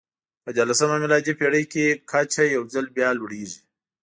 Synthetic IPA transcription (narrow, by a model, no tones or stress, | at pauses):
pəd͡ʒalasɐmamɪlɑd͡ʒipeɽəjkekʰat͡ʃʰajawzalbjɑlwuɽeʐi